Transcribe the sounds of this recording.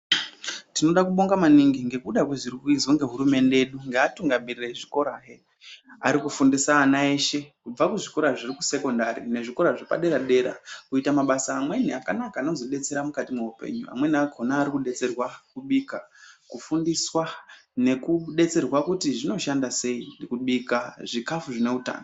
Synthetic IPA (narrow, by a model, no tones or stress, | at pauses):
tino̞ɗakuɓo̞ŋɡamaniŋɡiŋɡe̞kuɗakweʐirikuizoŋɡe̞ɦuɾume̞nde̞eɗuŋɡeːtuŋɡamirireʐiko̞ɾaɦe | aɾikufundisaːnae̞ʃe̞kub͡vakuʐiko̞ɾaʐiriku̥se̞ko̞ndaɾḭne̞ʐiko̞ɾaʐepa̰ɗe̞ɾaɗe̞ɾa̰kuitamaɓasaːmwe̞niakanakaːno̞zo̞ɗe̞t͡se̞ɾamukatimuupe̞̰ɲua̰mwe̞niakonaːɾikuɗe̞t͡se̞rwakuɓikakufundiswane̞kuɗe̞t͡se̞rwakutiʐino̞ʃandase̞indikuɓikaʐikafuʐine̞uta̰ːno